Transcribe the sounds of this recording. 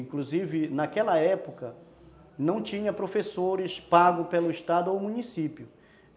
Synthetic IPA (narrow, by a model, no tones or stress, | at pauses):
ĩkluzivɪnakɛlɐɛpokɐ | nɐ̃w̃t͡ʃĩɲɐpɾofesoɾɪspaɡʊpelʊiʃt̪ad̪ʊowmũnisipjʊ